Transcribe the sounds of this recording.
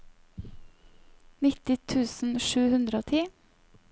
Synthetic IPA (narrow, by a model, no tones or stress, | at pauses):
nɪt̪ɪt̪ʰʉːsn̩ʃʉːhʉnd̪ɾəoːt̪ʰiː